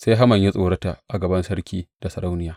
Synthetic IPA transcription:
se˦jɦa˦mɐ˨ɲji˦sʼoː˨ɽɐ˦ta˨ʔʔa˨ɡɐ˨bɐ˦nsɐ˦ɾkʲiː˦d̥a˨sɐ˨ɾa˦wnɪ˦jaː˨

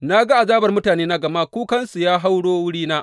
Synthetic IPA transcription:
na˦ɡa˦ʔa˨zaː˦bɐ˨rmʊ˦taː˨neː˦na˦ɡɐ˨ma˦kʷuː˦kɐ˦nsu˨jaː˦ɦa˦wɽoː˦wʊ˦ɽiː˦naː˦ʔ

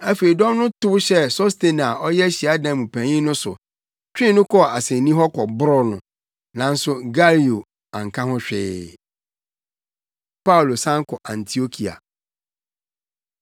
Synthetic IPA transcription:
a˦fe˨i˨dɔ̃˦mnʊ̃˦tʊ˦wɕɛ˦so˦ste˨n˨a˨ɔ˦jɛ˦ɕi˨a˨˦dã˨mũ˨pʰæ̃˨ɲĩ˦nʊ̃˦sʊ˨ | t͡ɕᶣɪ̃˦nʊ̃˦kʰɔ˦˨a˨sẽ˨˦nĩ˦ɦɔ˦kʰɔ˨bʊ˦ɾɔ˦nʊ̃˨ | nã˨n̩˦sʊ˦ɡa˦li˨o˨ | ã˨ŋ̩˨kʰã˦hɔ̃˦ɕᶣɪː˦ | pa˦wlo˨sã˦ŋ˦kʰɔ˨ʔã˨ntʰi˨o˦kʰi˨a̰˨

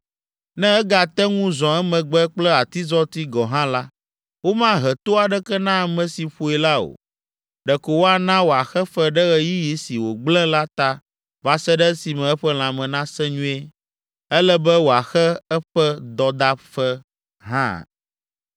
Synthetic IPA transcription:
nɛ̃˦ɛ˦ɡa˨t̪ɛ˦ŋũ˦zɔ̃˨ɛ˦mɛ̃˨ɡ͡bɛ˦k͡plɛ˦a˨t̪i˦zɔ˦t̪i˦ɡɔ˨ɦã˦la˦ | wo˦mã˦ɦɛ˨t̪o˦a˨ɖɛ˦kɛ˦nã˦˨mɛ̃˨si˨ɸo˦ɛ˨la˦o̰˨ | ɖɛ˨ko˨wo˦a˨nã˦wo˨a˨xɛ˦fɛ˦ɖɛ˦ɣɛ˨ji˦ji˨si˨wo˨ɡ͡blɛ̃˦la˦t̪a˨ | va˨sɛ˦ɖɛ˦si˨mɛ̃˨ɛ˦ɸɛ˦l̃ã˨mɛ̃˨nã˦sɛ̃˦ɲũ˦e˦ | ɛ˦lɛ˦bɛ˦wo˨a˨xɛ˦ɛ˦ɸɛ˦d̪ɔ˨d̪a˦ɸɛ˦ | ɦã̰˦˨

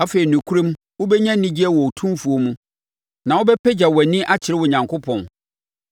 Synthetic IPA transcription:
a˦fe˨ɾi˨nũ˨kʰu˦ɾũ˦m˦ | wo˦bɛ˦ɲã˦nĩ˦d͡ʑi˦ɛ˦wɔ˨o˨tʰũ˦mfu˨o˦mũ˦ | nã˨wʊ˦bɛ˦pɛ˦d͡ʑa˨wɛ˨nɪ̃˦ʔa˦t͡ɕʰɪ˨ɾɪ˦wɔ˨ɲã˨ŋkʰʊ˦pʰɔ̃˨n

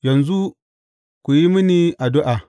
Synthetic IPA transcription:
jɐ˨nzu˦ | ku˨ji˦mi˦ni˦a˨dʊ˦ʔa˨

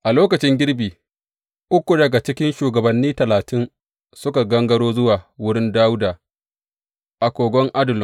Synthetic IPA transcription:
ʔa˨loː˦kɐ˨t͡ʃɪ˦ŋɡʲɪ˦ɽbiː˨ | ʔʊ˦kʷu˨dɐ˨ɡa˨t͡ʃɪ˦kʲɪ˦nʃuː˨ɡɐ˨bɐ˨nːiː˦tɐ˨laː˨tɪ˦n | sʊ˦ka˨ɡɐ˦ŋɡɐ˦ɽoː˦zʊ˦waː˨wʊ˦ɽɪ˦ndaː˦wʊ˦daː˨ | ʔa˨kʷoː˨ɡʷɔ˦ŋʔa˦dʊ˨l

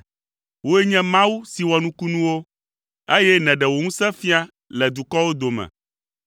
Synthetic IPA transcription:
wo˦e˦ɲɛ̃˦mã˦wu˦si˨wɔ˨nũ˦ku˦nũ˦wo˦ | e˦jɛ˦nɛ̃˨ɖɛ˨wo˨ŋũ˦sɛ̃˦fi˦a˦ | lɛ˨d̪u˨kɔ˦wo˦d̪o˨mɛ̰̃˨

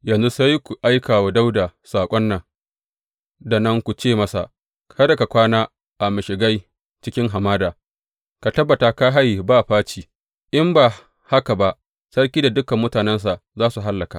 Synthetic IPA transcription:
jɐ˨nzu˦sa˦jkʷu˨ʔa˦jkaː˨waː˨da˦wdaː˨saː˨kʷʼɔ˦nːɐ˨ŋ | da˨nɐ˦ŋkʷu˨t͡ʃeː˦˨mɐ˦sa̰˨ | kʰɐ˦da˨ka˨kʷaː˦naː˦ | ʔa˨mɪ˨ʃɪ˨ɡa˦j | t͡ʃɪ˦kʲɪ˦ŋɦa˨maː˦daː˨ | ka˨tɐ˦bːa˨ta˨ka˦ɦa˦jbaː˦˨ɸaː˦t͡ʃiː˨ | ʔɪ˦mbaː˨ | ha˦ka˨ba˦ʔ | sɐ˦rk̬ʲiː˦da˨dʊ˦kɐ˨mːʊ˦taː˨nɛ˦ns̬a˨zaː˦su˨ɦa˦lːɐ˨ka̰˨ʔ

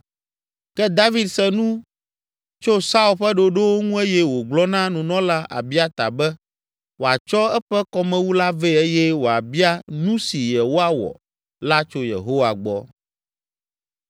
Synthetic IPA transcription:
kɛ˦d̪a˦vi˦d̪sɛ˦nũ˦ | t͡ʃo˦sa˦u˦lɸɛ˦ɖo˦ɖe˦wo˦ŋũ˦e˦jɛ˦wo˨ɡ͡blɔ˦nã˦nũ˨nɔ̃˦la˦ʔa̰˨bi˦a˦t̪a̰˨bɛ˦ | wo˨a˨t͡ʃɔ˦ɛ˦ɸɛ˦kɔ˦mɛ̃˦wu˦la˦vɛ˦e˦jɛ˦wo˨a̰˨bi˦a˦nũ˦si˨jɛ˨wo˦a˦wɔ̰˨ | la˦t͡ʃo˦jḛ˨ɦo˦wa˨ɡ͡bɔ˦

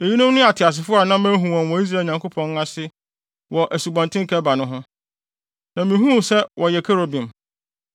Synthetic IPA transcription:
e˨ji˦nʊ̃˦mnʊ̃˦a˨tʰɪ˨a˨s̬ɪ˨fʊ˦a˨nã˦mæ̃˦ɦũ˨wã˨wɔ˨i˦s̬ɾa˦˨ɲã˨ŋkʰo˦pʰɔ̃˦ŋ˦a˦sɪ˦ | wɔ˨ʔæ˨su˨bɔ̃˨ntʰɪ̃˦ŋkʰɛ˦ba˨nʊ̃˦ɦʊ̃˦ | nã˨mĩ˨˦ɦũ˦˨sɛ˦wʔɔ˨jɛ˨kʰɛ˦ɾo˨bĩ˨m

